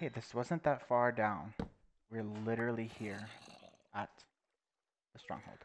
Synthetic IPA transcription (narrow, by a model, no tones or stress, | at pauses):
eɪðɪswʌzə̃nðətfɑɹdãʊ̃n | wɪɹlɪɾə˞l̩ˠihiɹ | ət̪̚ | ðəstɹ̥ɔ̰̃ŋhoʊlˠd̥